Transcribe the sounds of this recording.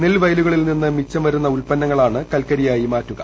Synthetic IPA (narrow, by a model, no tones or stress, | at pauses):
nilʋɐjluɣɐɭilninːɨmit͡ɕːɐmʋɐɾunːɐuɭpɐnːɐŋːɐɭaːɳɨkɐlkɐɾijaːjimaːtːuɣɐ̰